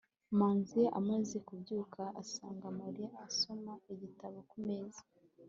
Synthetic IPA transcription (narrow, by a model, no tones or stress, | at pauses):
maːnzijaʔamaze̞kubɟuːkʰaʔasaːŋɡamaɾijaːso̞maiɟitaβokumeːza